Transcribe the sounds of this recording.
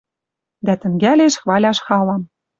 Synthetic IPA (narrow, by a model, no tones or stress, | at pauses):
d̪æt̪ə̆ŋɡælʲeʃxβɑlʲɑʃxɑlɑm